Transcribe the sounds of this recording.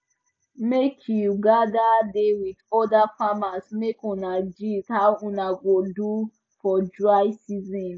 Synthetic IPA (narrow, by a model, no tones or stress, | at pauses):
mekʰjuɡadadewidɔdafamasmekũnad͡ʒitaũnaɡodu | fɔd͡ʒajsizĩn